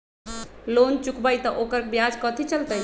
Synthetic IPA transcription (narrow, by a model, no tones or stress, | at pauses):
lont͡ʃukbajt̪ɔʔokəɾkebjad͡ʒkət̪ʰit͡ʃəlt̪əj